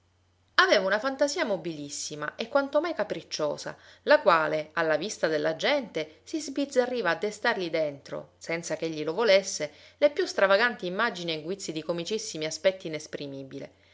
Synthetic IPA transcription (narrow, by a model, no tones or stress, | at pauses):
aveːvaunafant̪aziːamobilisːima̰ʔekːwant̪omajkapɾit͡ʃːo̰ːsa̰lakwaːlealːavist̪ad̪elːad͡ʒɛnt̪esizbid̪zarːiːvaːd̪ːest̪arʎid̪ent̪ɾo̰sɛnt̪sakeʎːilovolesːelepjust̪ɾavaɡant̪iːmːad͡ʒinieɡwit̪sːid̪ikomit͡ʃisːimiaspɛt̪ːiːnespɾimiːbilḛ